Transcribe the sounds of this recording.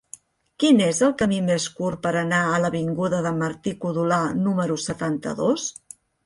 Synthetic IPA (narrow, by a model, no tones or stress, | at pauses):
kinezəlˠkəmimeskurpəɾənaələβiŋɡuðəðəməɾt̪ikuðulanuməɾusət̪ant̪ə̰ðos